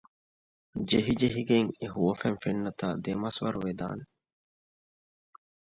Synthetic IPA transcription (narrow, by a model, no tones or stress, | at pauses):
d͡ʒeɦid͡ʒeɦiɡeŋeɦuʋɐfænfenːɐt̪a̰ːd̪emɐsʋɐ̰ɾuʋed̪a̰ːne